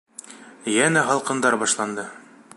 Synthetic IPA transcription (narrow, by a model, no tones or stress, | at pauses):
jænæɦɑlˠqɤ̆nd̪ɑɾbɑʃlˠɑnd̪ɤ